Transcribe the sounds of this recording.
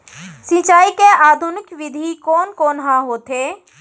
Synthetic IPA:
sɪ̃t͡ʃaːikeʔaːd̪ʱʊnɪkʋɪd̪ʱikɔːnkoːnɦãɦoːt̪eː

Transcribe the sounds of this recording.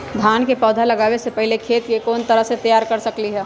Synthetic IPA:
d̪ʱjaːnkepɔːd̪ʱalɐɡaːwesepɛɦɪlekʰeːt̪jekɔːnt̪ɐɾəɦset̪ɐjaːɾkɐɾsɐkliɦɛː

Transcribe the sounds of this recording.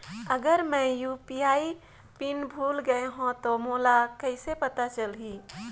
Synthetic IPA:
əɡəɾmə̃jupiai | pinbʱulɡəeɦõt̪omoːlakəɪsepət̪at͡ʃəlɦi

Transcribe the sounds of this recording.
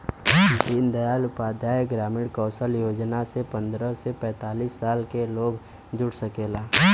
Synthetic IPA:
d̪iːnd̪əjaːlʊpaːd̪ʱjaːjɡɾaːmɪɽkɔːsəljoːd͡ʒnasepə̃nd̪ɾəsepɛ̃ːt̪aːliːsːaːlkeloːɡ | d͡ʒʊɽsəkeːlaː

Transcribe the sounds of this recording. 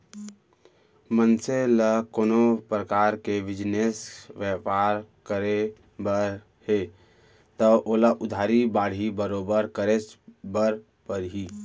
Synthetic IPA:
mənseləkoːnopɾəkaɾkeʋɪd͡ʒnesʋjəpaɾkəɾe | bəɾ | he | t̪əʔoːlaʔʊd̪ʱaːɾibaːɽ̤ibəɾobəɾkəɾesbəɾ | pəɾɦi

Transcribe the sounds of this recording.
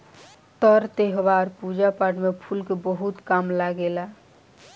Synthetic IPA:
t̪əɾt̪eɦbaɾpud͡ʒapaʈmepʰulkebəɦut̪kamlaɡela

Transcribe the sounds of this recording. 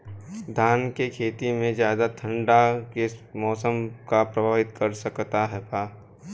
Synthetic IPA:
d̪ʱaːnkekʰeːt̪imẽzjaːd̪at̪ʰə̃ɳɖakemɔːsəmkapɾɐbʱaːʋɪt̪kɐɾsɐkt̪aɦɛpaː

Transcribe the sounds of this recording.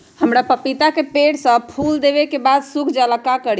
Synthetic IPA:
həmɾapəpit̪akepeɽsə̃pʰuld̪eβekebad̪sukʰd͡ʒələkakəɾ

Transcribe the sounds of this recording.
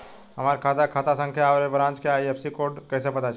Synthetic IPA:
ɦəmaːɾkʰaːt̪akʰaːt̪asə̃ŋkʰjaːʋɾebɾãːnt͡ʃkeaːiəpsikoɖkɛːsepət̪at͡ʃʰ

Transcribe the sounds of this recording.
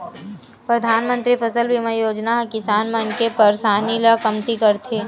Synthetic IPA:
pɾɐd̪ʱaːnmə̃nt̪ɾipʰɐsəlbʱimɐ̃joːd͡ʒnaɦkɪsaːnmɐnkepɐɾsaːniːlakɐmt̪ikɐɾt̪ʰeː

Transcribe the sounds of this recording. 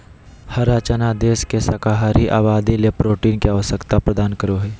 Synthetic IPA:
hɐɾaːt͡ʃanad̪eːskesɐkaɦaːɾiʔa̰ːβaːd̪ilepɾoːʈiːnkeaʋəsəkt̪apɾəd̪aːnkəɾoɦeː

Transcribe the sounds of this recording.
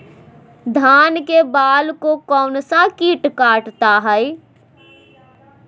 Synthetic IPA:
d̪ʱaːnkebaːlkokɔːnsakiːʈkaːʈt̪aɦɛɪ

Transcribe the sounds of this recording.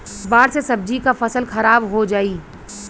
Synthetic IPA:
baːɾsesɐb̚d͡ʒikafɐsəlxɐɾaːbɦod͡ʒaːiː

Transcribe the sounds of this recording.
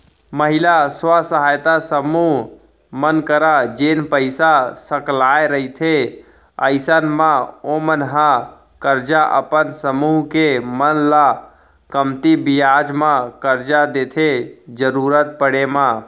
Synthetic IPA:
məɦilaswasəɦaːjt̪asəmuɦ | mənkəɾad͡ʒeːnpəɪsasəklaeɾəit̪ʰe | əɪsənmãomənɦã | kəɾd͡ʒaʔə̰pənsəmuɦkemənla | kəmt̪ibijad͡ʒmãkəɾd͡ʒad̪eːt̪ʰed͡ʒəɾuːɾət̪̚pəɽemã

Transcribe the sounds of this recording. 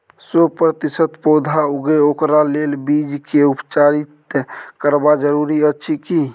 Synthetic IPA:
sopɾət̪isət̪pod̪ʱauɡeokɾalelbid͡ʒkeupt͡ʃaɾit̪kəɾbad͡ʒəɾuɾiətːʃʰiki

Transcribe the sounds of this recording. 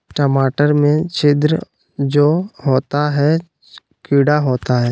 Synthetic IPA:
ʈəmaːʈəɾmẽt͡ʃɪd̪ɾə | d͡ʒoːɦoːt̪aɦɛ | kɪːɽaɦoːt̪aɦɛː

